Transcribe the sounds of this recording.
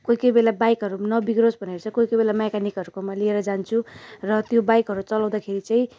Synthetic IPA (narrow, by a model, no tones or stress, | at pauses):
kojkʌbelabajkɦʌɾunʌbiɡɾosbʱʌneɾt͡sʰʌkojkʌbelamajkanikʌɾukomʌlieɾʌd͡zant͡sʰurʌt̪jobajkɦʌɾut͡sʌlaw̃d̪akʰeɾit͡saĩ